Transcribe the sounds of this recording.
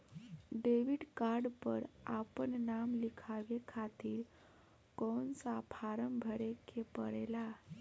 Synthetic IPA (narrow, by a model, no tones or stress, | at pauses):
ɖeʋiɽkaɾɽpəɾapəɳnamlikʰaʋekʰat̪iːɾ | kɔnt͡sapʰaɾəmbʱəɾekʰepəɾɛla